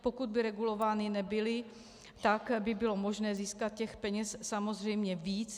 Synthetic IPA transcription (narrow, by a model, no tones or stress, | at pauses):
po̞kud̪̚bɪɾɛɡulo̞vaːnɪnɛbɪlɪ | t̪akbɪbɪlo̞mo̞ʒnɛːziːskat̪̚cɛxpɛɲɛssamo̞zr̝ɛjmɲɛviːt͡s